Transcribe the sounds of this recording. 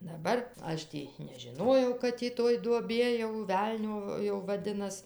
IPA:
dɐˈbɐr ˈɐʃ tʲiː nʲɛʒʲɪˈnoːjɛʊ kɐt tʲiː ˈtoːj duɔˈbʲiɛ jɛʊ ˈʋʲɛlʲnʲoː jɛʊ ʋɐˈdʲɪnɐs

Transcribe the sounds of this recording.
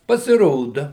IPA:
pɐsʲɪˈroːdɐ

